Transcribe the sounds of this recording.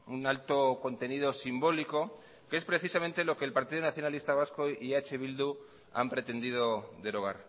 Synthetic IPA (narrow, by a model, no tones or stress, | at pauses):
unalt̪o̞ko̞nt̪e̞nið̞o̞simbo̞liko̞ | kee̞spɾe̞θisamẽnt̪e̞lo̞ke̞ːlpaɾt̪iðonaθjo̞nalist̪aβ̞askoiat͡ʃeβ̞ild̪u | a̰mpɾe̞t̪e̞nd̪ið̞o̞ðe̞ɾo̞ɣ̞a̰ɾ